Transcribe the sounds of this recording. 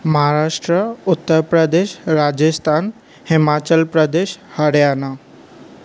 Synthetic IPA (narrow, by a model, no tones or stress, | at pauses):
məɦaɾaʃʈɾəʊt̪ːəɾpɾəd̪eʃɾad͡ʑəst̪ʰaːn | hɪmat͡ɕəlpɾəd̪eʃhəɽjana